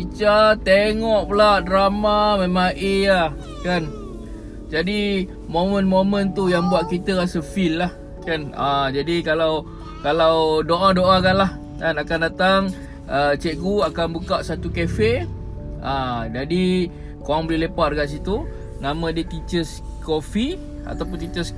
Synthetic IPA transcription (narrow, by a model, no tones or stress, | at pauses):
it͡ʃat̪eŋɔʔpəlaʔdɾamamẽmaŋʔea | kan | d͡ʒadi | momə̃nmomə̃nt̪ujaŋbuaʔ̚kit̪əɾasəfilːah | kanad͡ʒadikalaw | kalawdoʔadoʔakaʔlah | kanakandat̪aŋ | ʔət͡ʃeʔɡuakanbukaʔsat̪ukɛfe | ad͡ʒadi | koɾaŋbəlilepaʔrɡaʔs̬it̪u | nãmãdiət̪it͡ʃəskofi | a̰t̪awp̬ʊnt̪it͡ʃəs